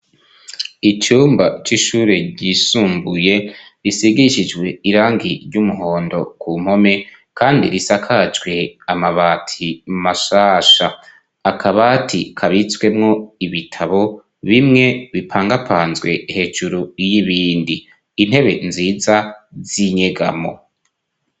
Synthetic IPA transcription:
it͡ʃuːmbat͡ʃiʃuːɾe̞ɟisuːmbuje̞ɾisiɡiʃid͡ʒɡwe̞iɾaːŋɡiɾɟumuɦo̞ːndo̞kʰum̥ho̞me̞ | kʰaːndḭɾisakʰad͡ʒɡwe̞amaβaːtʰimaʃaːʃaː | kʰaβaːtʰikʰaβit͡swe̞mŋo̞iβitʰaβo̞ | βimŋe̞βipʰaːŋɡapʰaːnzɡwe̞he̞ːd͡ʒuɾujiβiːndiː | n̥he̞βe̞nziːzaziɲeɡa̰mo̞̰

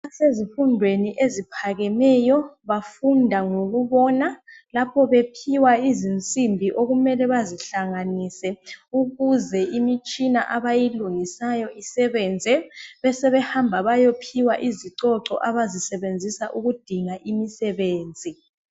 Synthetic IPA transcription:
asezifundʱweniʔezipʰaɣɛmɛjɔβafundʱaŋoɣuβɔnalapʰɔβepʰiwaizint͡sʼimbʱiʔoɣumɛlɛβaziɬaŋanisɛuɣuzɛimit͡ʃʼinaʔaβajiluŋisajɔʔisɛβɛnd͡zʱɛβɛsɛβɛhambʱaβajopʰiwaʔiziǀɔǀɔ̰ʔaβazisɛβend͡zʱisaʔuɣud̥ʱiŋaʔimisɛβeːnd͡zʱi

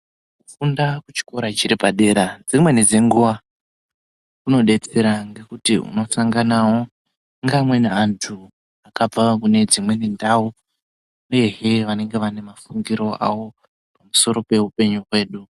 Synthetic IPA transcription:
kufundakut͡ʃi̥ko̞ɾat͡ʃiɾipaɗe̞ɾad͡zimwe̞ned͡zeŋɡuʋa | kuno̞ɗe̞t͡se̞ɾaŋɡe̞kutiṵno̞t͡saŋɡanawo̞ | ŋɡamwe̞neantʰu | akab͡vakune̞d͡zimwe̞nendau | uje̞ɦeʋane̞ŋɡe̞ʋane̞mafuŋɡiɾo̞a̰ʋo̞ | pamuso̞ɾo̞pe̞upe̞ɲurwe̞ːɗu

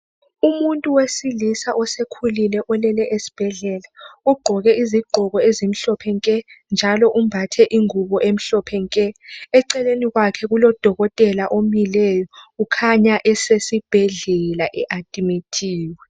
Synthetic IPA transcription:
umuntʼuwesilisaʔɔsekʰulilɛʔɔlɛlɛʔesi̥b̥ʱɛɮɛlauɡ͡ǃʱɔɣɛiziɡ͡ǃʱɔɣɔezimiɬɔpʰɛŋkʼɛnd͡ʒʱalɔʔumbʱatʰɛʔiŋuβɔʔem̩ɬɔpʰɛŋkʼɛɛǀɛleniɣwakʰɛɣulɔd̥ʱɔɣɔtʼɛlaʔomilɛːjɔukʰaɲaʔɛsesib̥ʱɛɮɛlaʔɛʔad̥ʼimitʰiːwɛ

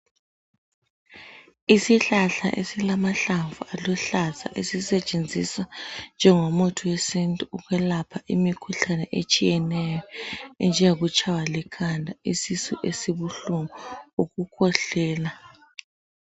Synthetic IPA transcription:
isiɬaɬa̰ʔḛsilamaɬaɱvualɔɬazʰa̰ʔesisɛt͡ʃʼend͡zʱisand͡ʒʱɛŋomɔtʰuwesintʼuuɣwɛlapʰaʔimikʰuɬanɛʔet͡ʃʼijɛnɛjɔɛnd͡ʒʱɛɣut͡ʃʰʼawalɛkʰandʱaisisuʔesiβuɬuŋɔuɣukʰɔɬɛːla

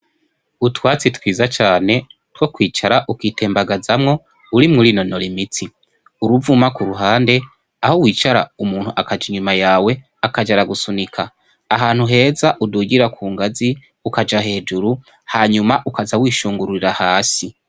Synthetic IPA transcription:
utwaːt͡sitwiːzat͡ʃaːne̞two̞kwiːt͡ʃaɾaʔukwiːte̞ːmbaɡazamŋo̞ | uɾimŋuɾino̞nolimit͡si | uɾuvumakuɾuɦaːnde̞ | ahowiːt͡ʃaɾaumuːn̥huʔakad͡ʒiɲumajaːwe̞ | akad͡ʒaɾaɡusunikʰaː | ɦaːn̥huɦe̞ːzaʔuduɟiɾakʰuːŋɡazi | ukad͡ʒaɦe̞ːd͡ʒuɾu | haɲumaʔukazawiːʃuːŋɡuɾuɾiɾahaːsi

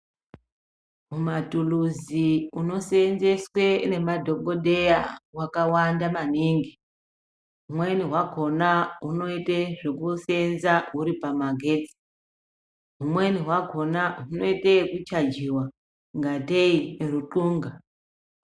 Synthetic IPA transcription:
mumatuluziuno̞senze̞swe̞ne̞madʱo̞ko̞dʱe̞jawakawandamaniŋɡi | ɦumwe̞niɦwaɡʱo̞naɦuno̞iteʐekusenzaɦuɾipamaɡʱe̞ːd͡zi̥ | ɦumwe̞niɦwaɡʱo̞naɦuno̞itekut͡ʃad͡ʒiwa | ŋɡateiruǃuːŋɡa

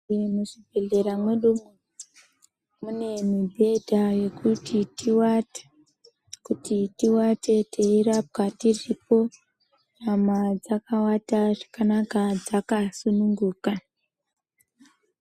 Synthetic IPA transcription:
emuʐibʱe̞ɮe̞ɾamweɗumu | mune̞mibʱe̞dʱaje̞kutʰitiwatḁ | kutitiwatʰe̞tʰeiɾap̚katiripo̞ | namad͡zakawataʐakanakad͡zakasunuŋɡuːka

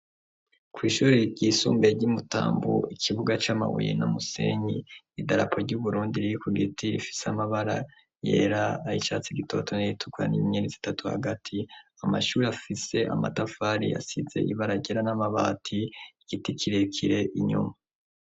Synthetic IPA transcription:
kwiːʃuɾiɾɟiːsuːmbe̞ɾɟimuta̰ːmbṵikʰiβuɡat͡ʃaːma̰wṵjḛnamusḛɲi | idaɾapʰoɾɟuβuɾuːndiɾiikuɡitiifi̥samaβaɾa̰ | je̞̰ːɾaːit͡ʃaːt͡siɡitʰo̞tʰo̞niitʰu̥kwa̰niɲenizi̥tatuha̰ɡatʰiama̰ʃuːɾiafise̞ʔa̰ma̰tafaːɾia̰sizḛʔiβaɾaɟeɾanamaβaːtʰiiɡ̥itikʰiɾekʰiɾe̞ʔiɲṵma

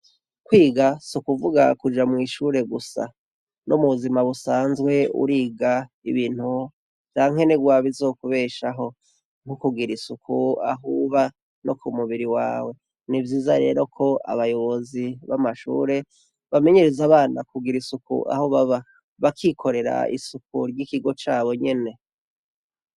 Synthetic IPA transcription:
kwiːɡasukuvuɡa̰kud͡ʒamŋiːʃuɾe̞ɡusa̰ | nomuzimaβusaːnzɡwe̞ṵɾiːɡa | ḭβiːn̥hu | t͡ʃaːŋ̥he̞niɡwaːβizo̞ːkuβe̞ːʃaɦo̞ | n̥hukuɡiɾisukʰua̰ɦuβa | no̞kumuβiɾiwa̰ːwe̞ | nivjiːzaɾe̞̰ːɾo̞kʰo̞a̰βajo̞βo̞ziβamaʃṵːɾe̞ | βame̞ɲe̞ɾezaβaːnakuɡiɾisukṵʔa̰hoβaβa | βakʰikʰo̞ɾe̞ɾa̰ḭsukʰuɾɟikiɡo̞t͡ʃaːβo̞ɲe̞ne̞

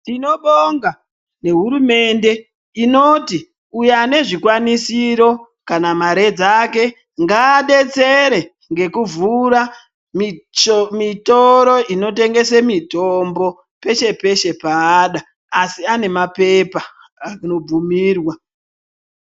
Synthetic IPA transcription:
tino̞ɓoŋɡa | ne̞ɦuɾume̞nde̞ | ino̞ti | ujane̞ʐikwanisiɾo̞ | kanamaɾe̞d͡zake̞ | ŋɡaːɗe̞t͡se̞ɾe̞ | ŋɡe̞kuvuɾa | m | mitoɾo̞ino̞te̞ŋɡe̞semito̞mbo̞ | pe̞ʃe̞pe̞ʃe̞paːɗaː | siane̞mape̞pa | ano̞b͡vumiːrwa

